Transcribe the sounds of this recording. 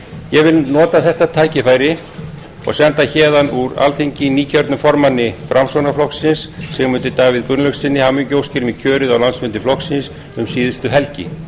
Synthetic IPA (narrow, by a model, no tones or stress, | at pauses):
jɛɣvɪlnɔːt̪aθɛht̪at̪ʰaːjcɪfaːjɾɪ | ɔ̰ɣsɛnt̪açɛːðanuɾa̰lθeɲcɪniːcʰœɾt̪nʏmfɔɾmanːɪfɾʔamsownaflɔksɪnsːɛɣmʏnt̪ʏt̪aːavɪðkʏnlœksɪnːɪhamʏɲcowscɪɾmicʰœːɾʏðawlansmʏnt̪ɪflɔxksɪns | ʏmsiːðʏst̪ʏɦɛlcɪ̰